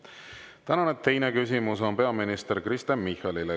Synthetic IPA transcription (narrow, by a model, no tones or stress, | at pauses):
t̪ænɑnet̪ːe̞jnekysimuso̞npe̞ɑminist̪eɾkrist̪emmːihˑɑlile